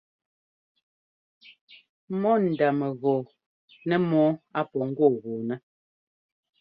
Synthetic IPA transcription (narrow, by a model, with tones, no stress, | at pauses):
mɔ˦n̩˨da˨mɛ˨ɣɔː˨ | nɛ˦mɔ˦a˦pɔ˨ŋ̩˦ɡwɔ˦˨ɣo˨nɛ˦